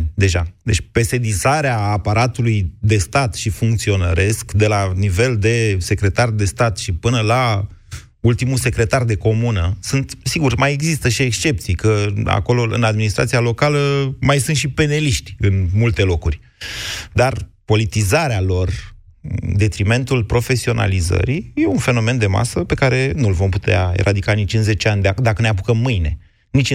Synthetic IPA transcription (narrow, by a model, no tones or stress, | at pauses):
d̪e̞ʒad̪et͡ʃʲpe̞se̞d̪izaɾeaːpaɾat̪ulujd̪e̞st̪at̪ʃifuŋkt̪sio̞nəɾʔe̞skd̪e̞lanive̞ld̪e̞se̞kɾe̞t̪ard̪e̞st̪at̪ʃipɨnəla | ult̪imuse̞kɾe̞t̪ard̪e̞ko̞munəsunt̪siɡurmaje̞ɡzist̪əʃie̞kst͡ʃe̞p̚t̪sijkəa̰ko̞lo̞ɨ̰nad̪minist̪ɾa̰t̪sialo̞kaləmajsɨnt̪ʃipe̞ne̞liʃt̪ʲɨnmult̪e̞lo̞kurʲ | d̪arpo̞lit̪izaɾealo̞r | d̪e̞t̪ɾime̞nt̪ulpɾo̞fe̞sio̞nʔa̰lizə̰ɾije̞unfe̞no̞me̞nd̪e̞ma̰səpe̞kaɾe̞nulvo̞mput̪ea̰ḛɾʔad̪ikanit͡ʃɨnze̞t͡ʃeanʲd̪d̪akəneap̬ukəmːɨjne̞̰ | nit͡ʃʲ